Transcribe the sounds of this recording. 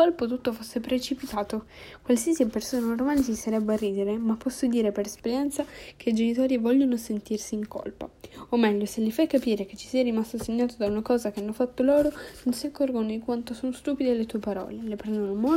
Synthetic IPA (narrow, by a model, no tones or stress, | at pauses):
olpot̪ut̪ːofosːepɾet͡ʃipit̪aːt̪okwalsiasipersoːnaormansisaɾɛbːearːiːd̪eɾemapːɔsːod̪iːɾepeɾɛspeɾjɛnt̪sak̟ʰeid͡ʒenit̪oːɾivɔʎːonosent̪irsiːŋko̰lpa̰omːɛʎːoselːifakːapiːɾek̟et͡ʃːi̥siːaɾimast̪oseɲːaːt̪od̪aunakɔːzak̟eanːofat̪ːoloːɾononsiakːɔrɡonod̪ikwant̪osonost̪uːpid̪ealːet̪uːepaɾɔ̰ːlelepɾɛnd̪onomo